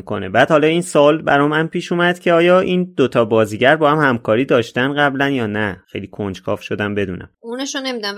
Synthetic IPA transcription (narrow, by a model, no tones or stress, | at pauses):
kʰonḛbæːd̪̥hɒːlɒːiːnsɒːlbæ̰ɾɒːmæmpʰiːʃuːmæd̪̥cʰe̞ɒːjɒːʔiːnd̪̥ot̪ʰɒːbɒːziːɟæɾbɒːhæmhæmkʰɒːɾiːd̪ɒːʃt̪ænɢæblænjɒːnæxe̞jlikʰond͡ʒkʰɒ̰ːfʃod̪æmbe̞d̪ṵːnæ̰muneʃonːemid̪æn